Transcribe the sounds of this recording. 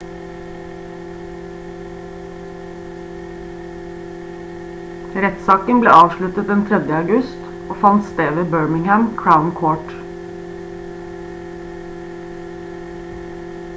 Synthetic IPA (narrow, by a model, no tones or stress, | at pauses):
ɾɛt̪sɑːkənblḛːʔɑːʋʃɭʉt̪ət̪̚d̪ɛnt̪ʰɾɛd̪jəɑʉɡʉst̪ | oːfɑnt̪st̪eːʋeːbøːɹmɪŋhæmkʰɹaʊnkʰoːʈ